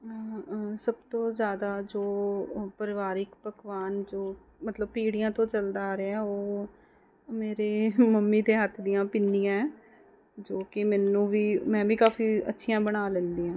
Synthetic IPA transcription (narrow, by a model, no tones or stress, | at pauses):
səbt̪õːzjaːd̪aːd͡ʒoːpəɾɪʋaːɾɪkpəkʋaːnd͡ʒoː | mət̪ləbpiːɽɪjãːt̪õːt͡ʃəld̪aaːɾeoː | meːɾeːməmːiːd̪eːɦət̪ʰːd̪ɪjãːpɪnːijãːɛː | d͡ʒoːkɪmɛːnũːʋiːmɛ̃ːbiːkaːfiːə̰tːʃʰɪjãːbəɽ̃aːlə̃nd̪iːãː